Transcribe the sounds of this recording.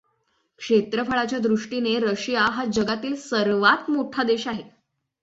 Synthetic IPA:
kʂet̪ɾəfaɭat͡ɕjad̪ɾuʂʈineɾəɕijaɦad͡ʑəɡat̪iːlsəɾʋat̪moʈʰad̪eɕaɦe

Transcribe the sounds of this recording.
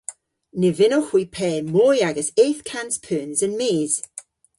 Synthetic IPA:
nɪvɪnoxwipʰɛːmɔːjaɡəseːθkʰanspʰøːnzənmeːz̥

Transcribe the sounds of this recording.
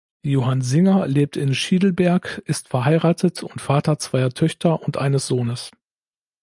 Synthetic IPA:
joːɦanzɪŋɐleːp̚tɪnʃiːdl̩bɛɐkʔɪstfɛɐɦaɪʁaːtʰətʰʊntfaːtɐt͡sv̥aɪɐtʰœçtʰɐʔʊntʔa̰ɪnəsz̥oːnəs

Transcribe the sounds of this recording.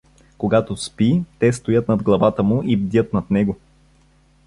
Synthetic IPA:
koɡat̪ospit̪ɛst̪ojɤt̪nɐd̪ɡlˠɐvat̪əmʊʔibd̪ʲət̪nɐt̪nɛɡo

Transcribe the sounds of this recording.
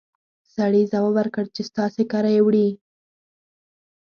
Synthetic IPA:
saɽizawəwaɾkəɽt͡ʃest̪ɑsekɑɾajewɽi

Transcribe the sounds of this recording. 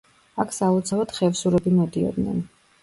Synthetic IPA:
akʰsaɔt̪sʰavad̪̥χɛvsuɾɛbimɔd̪iɔ̰d̪nɛ̰n

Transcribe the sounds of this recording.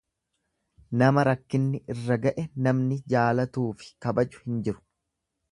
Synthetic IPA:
nɐmɐɾɐkːɪnːɪʔɪrːɐɡɐʔɛnɐmnɪd͡ʒaːlɐt̪uːfɪ̥kɐbɐd͡ʒʊ̥hɪnd͡ʒɪɾʊ̥

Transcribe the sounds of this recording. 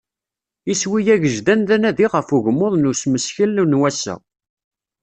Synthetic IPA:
iswijæʝəʒd̪ænðænæðiʁəfuʝəmːoðˤnusməsçəlːunwæsːə̰

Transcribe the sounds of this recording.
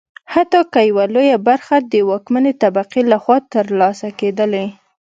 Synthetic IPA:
hat̪ɑkəjawalojabaɾxad̪əwɑkmanet̪abaqilaxwɑt̪əɾlɑsaked̪əla

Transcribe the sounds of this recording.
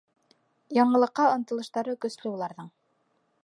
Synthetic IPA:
jɑɴɤ̆lˠɤ̆qːɑŏnt̪ɤ̆lˠɤ̆ʃt̪ɑɾɤkɵ̆slɘulˠɑɾðɤɴ

